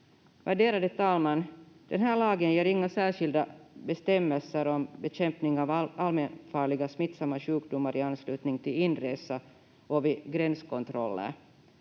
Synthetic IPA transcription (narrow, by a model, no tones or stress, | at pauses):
væɖeːɾad̪ət̪ʰɑːlmand̪̥ɛnɦæːɭɑːɡənjeːɾɪŋːasæːʂɪld̪abɛst̪ɛmːɛlsəɾɔmbɛɕɛmpnɪŋɑːvalmɛnfɑːɭɪɡasmɪt̪ːsamːaɕʉ̟ːkd̪umːaɾʔɪanːslʉ̟ːt̪nɪŋt̪ʰɪlɪnːɾeːsa | ʔɔvɪɡɾɛnskɔnt̪ʰɾɔlːə̰ɾ